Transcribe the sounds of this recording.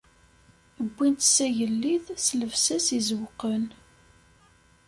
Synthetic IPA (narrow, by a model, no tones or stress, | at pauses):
əbʷːint̪sæʝəlːiðsləvsæsizwqən